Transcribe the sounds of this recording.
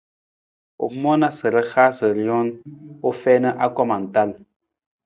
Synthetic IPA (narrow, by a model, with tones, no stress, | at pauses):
o̰˨mɔ˦na˦sə˨ɾə˦xaː˦sə˨ɾi˨˦ɔ˦no˦fɛː˦nə˦ʔa˦kɔ˦ma˨n̩˨ta˦˨l